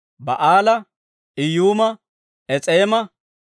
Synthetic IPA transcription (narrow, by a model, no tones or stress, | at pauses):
bɐ̰ʔaːlɐ | ʔɪjuːmɐ | ɛt͡sʼeːmɐ